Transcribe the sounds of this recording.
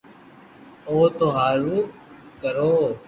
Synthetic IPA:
oːt̪oːɦaːɾuː | kəɾoː

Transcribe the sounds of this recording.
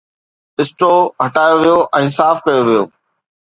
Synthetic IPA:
ɪsʈoːɦɐʈaːjoʋijoʔɛ̃ːsaːfkɐjoʋijo̰ː

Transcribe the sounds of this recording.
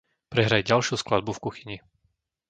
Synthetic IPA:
pɾɛɦɾajɟalʃjusklad̪̚bufkuxiɲi

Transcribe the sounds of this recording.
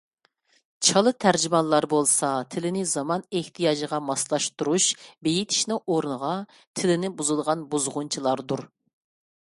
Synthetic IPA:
t͡ʃʰɑlˠɨt̪ʰæɾd͡ʒimɑlˠːɑɾbolˠsɑt̪ʰɪlɪnɪzɑmɑneht̪ʰijɑːd͡ʒəʁɑmɑslˠɑʃt̪uɾuʃbejit̪ʰi̥ʃnɨŋʔoɾnəʁɑ | t̪ʰɪlɪnɪbuzɨd̪əʁɑnbuzʁʊnt͡ʃʰilˠɑɾd̪uɾ

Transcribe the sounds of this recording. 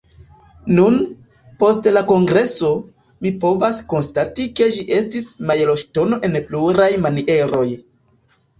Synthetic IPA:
nun | po̞stlako̞ŋɡɾe̞so̞ | mipo̞vasko̞nstatike̞d͡ʒiʔe̞stismajelo̞ʃto̞no̞ʔe̞npluɾajmaniʔe̞ɾo̞j

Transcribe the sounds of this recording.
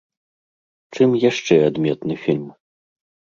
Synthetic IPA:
t͡ʂɨmjaʂt͡ʂɛad̪mʲɛt̪nɨfʲilʲm

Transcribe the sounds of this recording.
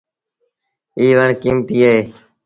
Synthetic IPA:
iːʋəɳkiːmt̪iːəɦeː

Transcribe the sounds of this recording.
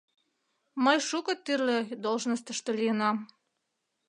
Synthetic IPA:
məjʃukɤ̆t̪yrled̪olʒnəst̪ə̆ʃt̪ə̆lijənɑm

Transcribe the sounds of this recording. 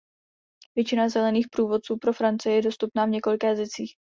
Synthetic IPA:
vjɛt͡ʃɪnazɛlɛniːxpɾuːvo̞t̪t͡suːpɾo̞fɾant͡sɪjjɛdo̞st̪upnaːvɲɛko̞lɪkɛːzɛt͡siːx

